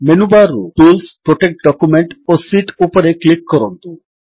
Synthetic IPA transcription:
menubaɾːṵpilspɾoʈek̚ʈ̚ɖɔkumeɳʈosiʈupɔɾeklikːɔɾɔnt̪u

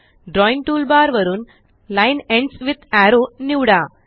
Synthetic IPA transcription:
ɖɾɔːjnʈuːlbaːɾʋɐɾun | lajnẽɳɖsʋid̪æɾoːniʋɽaː

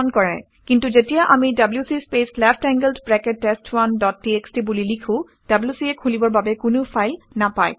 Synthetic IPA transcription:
nkɔɹɛ̰ | kintuzetijaʔamidabljusispeslɛpʰtɛŋɡəldbɹɛketːestwandɔtːiekstibulilikʰʊ̃ | d̥abliusiɛkʰulibɔɹbabɛkʊnʊpʰajlnapa̰j

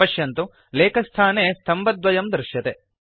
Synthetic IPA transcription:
ɐʃjɐnt̪u | leːkʰɐst̪ʰaːneːst̪ʰɐmbɐd̪ʋɐjɐmd̪ɾɪʃjɐt̪e

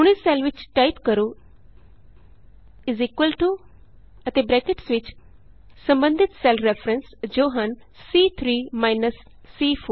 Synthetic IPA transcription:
ʊɽ̃esɛlʋɪt͡ʃʈaɪt̪kɐɾo | ɪziːkʋəlʈu | ɐt̪ebɾɛːkeʈsʋɪt͡ʃ | sɐ̃mbə̃nd̪ʱɪt̪sɛlfɾɛfɾə̃nsd͡ʒoːɦãnː | iːt̪ʰɾiːmaːɪnəsː | iːfʰoː

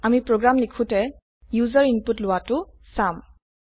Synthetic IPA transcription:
amipɹoɡɹamlikʰũtɛ | juzɔɹinputlʊwatʊ | sam

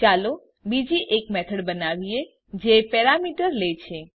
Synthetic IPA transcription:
t͡ʃalo | bid͡ʒiʔekmɛt̪ʰəɽbənaʋie | d͡ʒepɛɾamiʈəɾlet͡ʃʰe

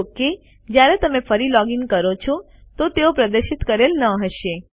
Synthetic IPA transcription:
ke | d͡ʒjaɾet̪əmefəɾilɔɡiŋkəɾot͡ʃʰɔ | t̪ot̪eopɾəd̪əɾʃɪt̪kəɾelnəɦəʃe

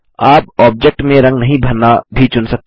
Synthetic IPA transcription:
aːp̚ɔːb̚d͡ʒek̚ʈmẽɾɐ̃ŋɡnɐɦĩbʱɐɾnabʱit͡ʃʊnsɐk̚t̪

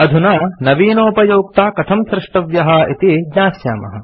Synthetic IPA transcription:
ɐd̪ʱunaːnɐʋiːnoːpɐjoːk̚t̪aːkɐt̪ʰɐmsɾɪʂʈɐʋjɐɦɐit̪id͡ʒɲaːsja̰ːmɐ̰ɦɐ̆

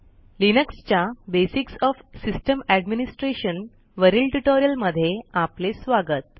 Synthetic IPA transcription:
linəkst͡ɕjabesiksɔfsisʈəmæɖminisʈɾeɕən | ʋəɾilʈuʈoɾijəlməd̪ʱːjeaplesʋaɡət̪̚

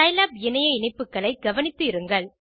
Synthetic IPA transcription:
ɐjlaːbɪnɐjɐɪɳɐɪpːɯkːɐɭɐɪɡɐʋɐnɪt̪ːɯɪɾɯŋɡɐɭ

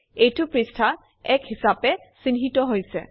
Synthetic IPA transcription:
ejtʊpɹistʰa | ɛkɦisapɛsinɦitɔɦojsɛ

